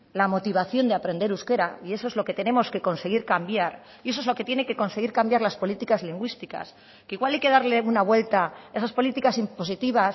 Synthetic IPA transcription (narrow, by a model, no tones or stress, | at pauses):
lamo̞t̪iβaθjo̞nd̪eapɾe̞nd̪e̞ɾuske̞ɾaie̞soe̞zlo̞ke̞t̪e̞ne̞moske̞ko̞nse̞ɣ̞iɾkambjaɾ | ie̞s̬oe̞zlo̞ke̞t̪je̞ne̞ke̞ko̞nse̞ɣ̞iɾkambjaɾlaspo̞lit̪ikazliŋɡwist̪ika̰s | keiɣwalajke̞ð̞aɾle̞unaβwe̞lt̪ae̞saspo̞lit̪ikasimpo̞sit̪iβas